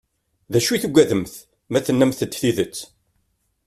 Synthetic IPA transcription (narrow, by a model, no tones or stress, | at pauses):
ðæʃuθuɡʷæðəmθ | mæθənːæmθəd̪θiðət͡sː